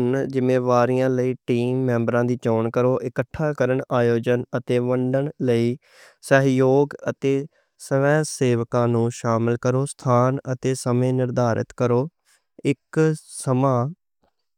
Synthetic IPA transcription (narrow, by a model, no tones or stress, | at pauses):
nd͡ʒɪmẽːʋaːɾɪjãːləiːʈiːmːɛ̃ːmbəɾãːd̪iːt͡ʃɔːɳkəɾoːʔɪkəʈʰːaːkəɾəɳaːjoːd͡ʒənət̪eːʋəɳɖəɳləiː | səɦjoːɡət̪eː | səʋɛ̃ːseːʋkãːnũːʃaːmɪlkəɾoːst̪ʰaːnət̪eːsəmẽːnɪɾd̪aːɾɪ̰t̪kəɾoː | ɪksəmãː